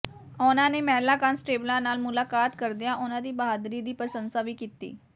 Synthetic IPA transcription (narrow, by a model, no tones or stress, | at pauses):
ʊnãːneːmɛːlaːkaːnsʈeːblãːnaːlmʊlaːkaːt̪kəɾd̪ijãːʔʊnãːd̪iːbəaːd̪ɾiːd̪iːpɾəsənsaːʋiːkiːt̪ḭː